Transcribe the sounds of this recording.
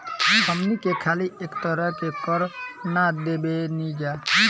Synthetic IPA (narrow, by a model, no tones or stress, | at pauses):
ɦəmnikekʰaːliʔeːkt̪əɾəkekəɾnad̪ebenid͡ʒa